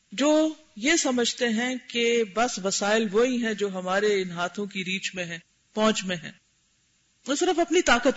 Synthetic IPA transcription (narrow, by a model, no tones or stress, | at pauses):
d͡ʒoː | jesɐməd͡ʒʱt̪eɦɛ̃kebɐsʋɐsaːɪlʋoɦiɦɛ̃d͡ʒoːɦɐmaːɾeɪnɦaːt̪ʰõkiɾiːt͡ʃmẽɦɛ̃ː | pɔ̃ːt͡ʃmẽɦɛ̰̃ː | ʊsɪɾəfɐpnit̪aːkət̪